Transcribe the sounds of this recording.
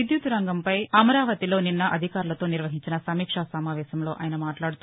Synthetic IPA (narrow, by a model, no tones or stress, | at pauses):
id̪jut̪uɾɐŋɡɐmpɐjɐmɐɾaːʋɐt̪ilo̞ːninːɐʔɐd̪ʱikaːɾulɐt̪o̞ːniɾʋɐɦiɲt͡ʃinɐsɐmiːkʂasɐmaːʋɛːɕɐmlo̞ːʔaːjɐnɐmaːʈlaːɽut̪u